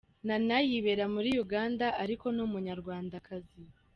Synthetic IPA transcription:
nanajiβe̞ɾamuɾijuɡaːndaʔaɾiko̞numuɲaɾɡwaːndakʰazi

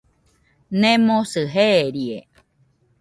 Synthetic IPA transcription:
nẽmosɨɦeɾie

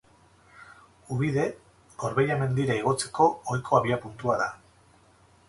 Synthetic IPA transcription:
uβiðe̞ | ɡ̥o̞ɾβeʎame̞nd̪iɾaiɣ̞o̞t͡se̞̥ko̞ːjkʰo̞aβiapunt̪uaða

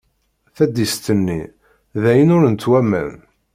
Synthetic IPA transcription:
θæd̪ist̪ənːḭ | ðæjənʊɾənt̪ːwæmæ̰n

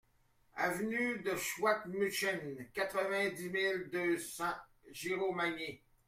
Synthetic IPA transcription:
a̰vnyd̪əʃwat̪myʃɛnkʲat̪χəvɛ̃d̪imild̪øsɑ̃ | ʒiʁomaɲe

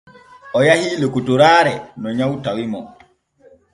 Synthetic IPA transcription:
ʔɔjahilukutuɾaːɾɛnɔɲawtawimɔ

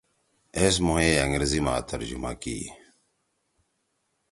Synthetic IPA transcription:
es̬muɦeːɐŋɡɾzima̰ːt̪ʰɐɾd͡ʑuma̰kḭː

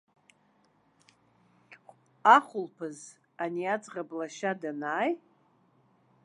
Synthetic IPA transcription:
aχʷʊlpʰɨz | aniat͡sʼʁablaʃadanaːj

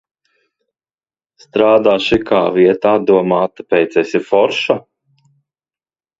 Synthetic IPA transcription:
st̪ɾaːd̪aːʃikʰa̰ːviɛt̪aad̪uɔmaːt̪apɛjt̪sɛsifɔɾʃa

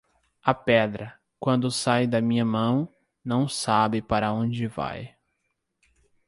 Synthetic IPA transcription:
ɐpɛd̪ɾɐ | kwɐ̃nd̪ʊsajd̪ɐmĩɲɐmɐ̃w̃ | nɐ̃w̃sabɪpaɾɐõd͡ʒɪva̰j

